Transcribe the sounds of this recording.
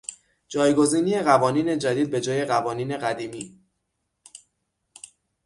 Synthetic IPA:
d͡ʒɒːjɡo̞ziːniːje̞ɣævɒːniːne̞d͡ʒæd̪iːd̪̚be̞d͡ʒɒːje̞ɣævɒːniːne̞ɣæd̪iːmiː

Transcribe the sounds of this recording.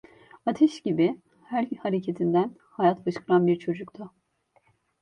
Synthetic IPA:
at̪ʰɛʃɟibi | hælʲhaɾecʰe̞t̪ʰind̪æn | hajat̪bɯʃkɯlˠanbiɾt͡ʃʰo̞d͡ʒukt̪ʰʊ

